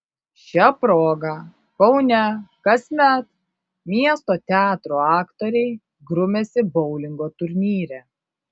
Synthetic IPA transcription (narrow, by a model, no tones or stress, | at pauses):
ʃʲɛpɾoːɡɑ | kɔʊnʲækɐsʲmʲæt̪ | mʲiɛst̪oːt̪ʲæːt̪ɾoɑːkt̪oːɾʲɛɪ | ɡɾʊmʲesʲɪbɔʊlʲɪŋɡoːt̪ʊɾʲnʲiːɾʲæ